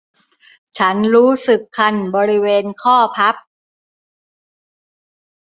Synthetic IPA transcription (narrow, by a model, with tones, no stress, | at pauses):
t͡ɕʰa˦˥nɾuː˦˥sɯ˨˩kʰːa˧nbɔː˧ɾi˦˥weː˧nkʰɔː˥˩pʰa˦˥p̚